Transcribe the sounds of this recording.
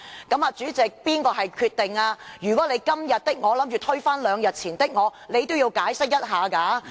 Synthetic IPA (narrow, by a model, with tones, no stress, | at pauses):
kɐ˨˥maː˨˧t͡ʃyː˨˥t͡sɪ˨k̚piː˥nkɔː˧ɦɐ˨jkʰyː˧t̪̚ːɪ˨ŋaː˧jyː˨˩kɔː˨˥le˨˧jkɐ˥mjɐ˨t̚t̪ɪ˥k̚ŋɔː˨˧lɐ˨˥mt͡ʃy˨t̪ʰɵ˥ɥfaː˥nlœː˨˧ŋjɐ˨t̚t͡sʰiː˨˩nt̪ɪ˥k̚ŋɔː˨˧le˨˧jt̪o˥wji˧wkaː˨˥jsɪ˥k̚jɐ˥t̚ɦaː˨˧kaː˨˥